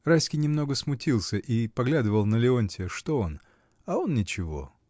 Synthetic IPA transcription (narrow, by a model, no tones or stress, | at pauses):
rajsʲkʲɪjnʲɪmno̞ɡəsmʊtʲilˠsʲəʔipɐɡlʲad̪ɨvəlˠnəlʲɪo̞nʲtʲɪʂt̪o̞o̞n | ao̞nnʲɪt͡ɕɪvo̞̰